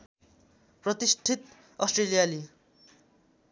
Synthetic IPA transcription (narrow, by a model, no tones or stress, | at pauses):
prʌt̪isʈʰit̪ | ʌsʈrelijali